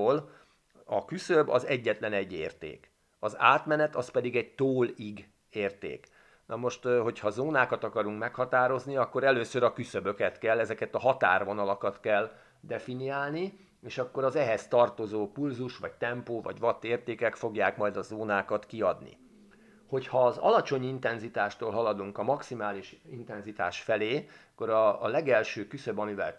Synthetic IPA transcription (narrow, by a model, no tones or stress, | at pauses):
ol | ɒkysøbɒ̰zɛɟːɛt̪lɛnɛɟːḛːrt̪ḛːk | ɒza̰ːt̪mɛnɛt̪ɒspɛd̪iɡɛɟt̪oːliɡ | eːrt̪ḛːk | nʔɒmo̞ʃt̪ɦo̞chɒzoːnaːkɒt̪ɒkɒɾuŋkmɛkhɒt̪aːɾo̞zniɒkːo̞ɾɛløːsøɾɒkysøbø̞kɛt̪kɛlːɛzɛkɛt̪ɒɦɒt̪a̰ːrʋo̞nɒlɒkɒt̪kɛl | d̪ɛfiniaːlni | eːʃɒkːo̞ɾɒzɛɦɛst̪ɒrt̪o̞zoːpulzuʃʋɒct̪ɛmpoːvɒ̰ɟʋɒt̪ːeːrt̪eːkɛkfo̞ɡjaːkmɒjd̪ɒzoːnaːkɒt̪kiɒd̪nḭ | ho̞chɒːzɒ̰lɒt͡ʃo̞ɲint̪ɛnzit̪aːʃt̪oːlɦɒlɒd̪uŋkɒmɒksimaːliʃint̪ɛnzit̪a̰ːʃfɛleːkːo̞ɾɒːlɛɡɛlʃøːkysøbɒmivɛ̰l